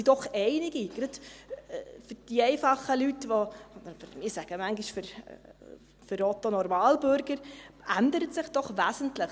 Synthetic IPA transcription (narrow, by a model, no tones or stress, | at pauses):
sid̥ɔχɛɪnɪɡiɡ̥ɾɑd̪ | fʏd̥iɛɪfɑχːəlytʋo | mɪːsæɡ̥əmæŋɡiʃføɾ | fʏɾɔt̪onɔɾmɑːlbʏɾɡəɾænd̪əɾətsɪχd̥ɔχʋæsən̩tləχ